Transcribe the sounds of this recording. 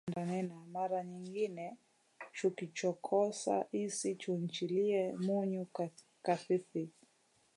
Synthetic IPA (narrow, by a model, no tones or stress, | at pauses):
ndanɛnamaɾaɲiŋɡinɛ | t͡ʃukit͡ʃɔkʰɔsa̰ʔisit͡ʃuɲt͡ʃiliɛmuɲu | kaθiθi